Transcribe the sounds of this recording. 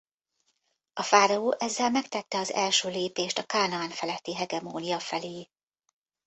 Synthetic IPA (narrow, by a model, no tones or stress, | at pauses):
ɒfaːɾɒoːʔɛzːɛlmɛkt̪ɛt̪ːɛɒzɛlʃøːleːpeːʃt̪ɒkaːnɒaːnfɛlɛt̪ːiɦɛɡɛmoːnijɒfɛleː